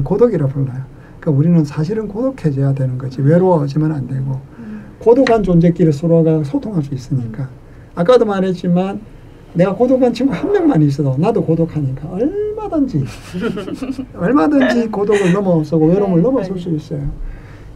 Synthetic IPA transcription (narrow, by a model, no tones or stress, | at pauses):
nkodoɡiɾapoɭmajo | ik͈auɾinɯnsʰaɕ̬ʰiɾɯnkodokʰe̞d͡ʑejadwe̞nɯnɡʌd͡ʑiwe̞ɾoʌd͡ʑimanandwe̞ɡo | kodokʰant͡ɕond͡ʑe̞k͈iɾɯs͈ʰoɾoɡasʰotʰoŋɦaɭs͈uis͈ɯɲik͈aː | k͈adomaɾɦe̞t̚t͡ɕ͈imanː | e̞ɡakodokʰant͡ɕʰimɡʰuhanmjʌŋmaɲiːs̬͈ʌdonadokodokʰaɲik͈aʌɭmadɯnd͡ʑi | ʌɭmadɯnd͡ʑikodoɡɯɭnʌmʌs͈ʰoɡowe̞ɾomɯɭnʌmʌsʰoɭs͈uis͈ʌjo